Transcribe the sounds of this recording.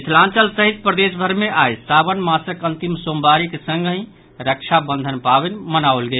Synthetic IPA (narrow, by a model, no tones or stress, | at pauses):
islãnt͡ʃəlsəɦit̪̚pɾəd̪esbʱəɾmeʔajsabənmasəkənt̪imsombaɾikesə̃ŋɡɦĩ | ɾəkt͡ʃʰabənd̪ʱənpabenmənaolɡel